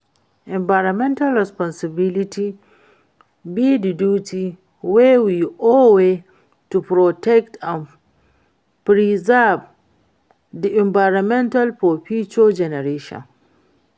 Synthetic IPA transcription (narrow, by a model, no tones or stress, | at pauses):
ʔɛ̃mbajɾamɛ̃ntalɹɛspɔnsɪbiliti | bididuːti | wewiɔwe | tupɾɔtɛktan | pɾizab | diʔɛ̃mbajɾɔmɛ̃ntalpopit͡ʃod͡ʒɛnɛɾeʃɔ̰̃n